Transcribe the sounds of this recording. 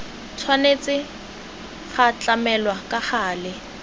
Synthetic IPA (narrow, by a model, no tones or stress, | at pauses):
t͡sʰwanet͡sʼɪ | χat͡ɬʼamɛlwakʼaχaːlɪ